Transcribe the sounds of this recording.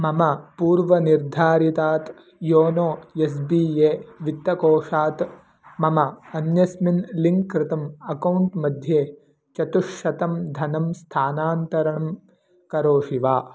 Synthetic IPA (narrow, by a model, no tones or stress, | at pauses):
mɐmɐpuːɾʋɐniɾd̪ʱaːɾit̪aːt̪ | joːnoːjes̬biːeːʋit̪ːɐkoːʂaːt̪ | mɐmɐːnjɐsminliŋkːɾɪt̪ɐmɐkɐwɳʈmɐd̪ʱjeː | t͡ʃɐt̪uʂɐt̪ɐmd̪ʱɐnɐmst̪ʰaːnaːnt̪ɐɾɐɳɐm | kɐɾoːʃiʋaː